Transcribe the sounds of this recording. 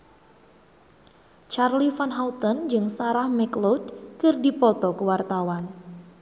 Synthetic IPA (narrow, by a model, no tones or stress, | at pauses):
t͡ʃarlifanɦawt̪ɔnd͡ʒɨŋsaɾahmɛklɔdkɨrdipɔt̪ɔkəwart̪awan